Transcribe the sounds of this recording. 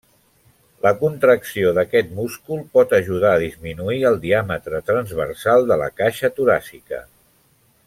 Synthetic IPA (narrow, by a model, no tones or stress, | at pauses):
ləkunt̪ɾəksioðəkɛt̪muskulˠpɔt̪əʒuð̞aːðizminuiəlˠd̪iamət̪ɾət̪ɾənzβə̰rsalˠd̪ələ̰kaʃət̪uɾa̰sikə̰